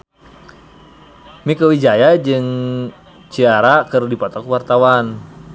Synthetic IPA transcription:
mikəwid͡ʒajad͡ʒɨŋ | t͡ʃiaɾakɨrdipɔt̪ɔkuwart̪awan

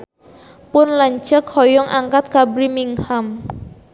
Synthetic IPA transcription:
pʊnlaɲt͡ʃəkhɔjɔŋʔaŋkat̪̚kabɾimiŋham

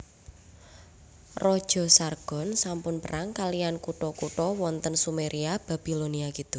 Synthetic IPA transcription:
rɔd̥ʒ̥ɔ̤sarɡ̥ɔ̤nsampʊnpəɾaŋkaliankuʈɔkuʈɔwɔnt̪ənsumeɾʔiab̥a̤b̥i̤loniakit̪u

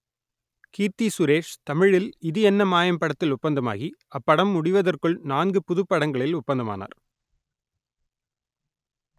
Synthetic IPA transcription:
kiːrt̪isʊɾeːʂt̪ɐmɪɻɪlɪðɯɛnːɐmaːjɐmpɐɽɐt̪ːɪlʊpːɐnd̪ɐma̰ːɣiɐpːɐɽɐmːʊɽɪʋɐðɐrkɯɭnaːnɡɯpʊðɯpːɐɽɐŋɡɐɭɪlʊpːɐnd̪ɐma̰ːna̰ːɾ

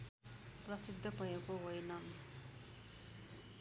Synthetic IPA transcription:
prʌsid̪ʱːʌpʌjekoɦojnʌ

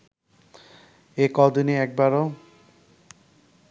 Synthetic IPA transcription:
ekɔd̪uniɛk̚baɾo

